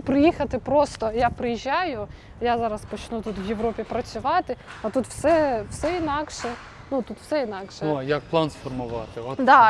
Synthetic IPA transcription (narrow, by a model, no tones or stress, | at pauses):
pɾɪjixɐt̪ɪpɾɔst̪ɔjapɾɪjiʒʲːajʊ | jazɑɾɐspɔt͡ʃnut̪ut̪ʋjeʋɾɔpʲipɾɐt͡sʲʊʋɑt̪ɪɐt̪ut̪wsɛwsɛinɑkʃɛ | nut̪ut̪wsɛinɑkʃɛjɐk̚plˠɑnsfɔrmʊʋɑt̪ɪd̪ɑ